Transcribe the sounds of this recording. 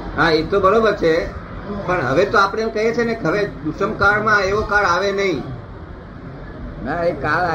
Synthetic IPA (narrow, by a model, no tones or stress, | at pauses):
ɦaet̪obəɾobəɾt͡ʃʰe | pəɳɦə̰ʋet̪oapəɽ̃emkəɦet͡ʃʰenekɦəʋed̪uʃəmkaɭmãeʋokaɭaʋenəɦĩ | naekaɭ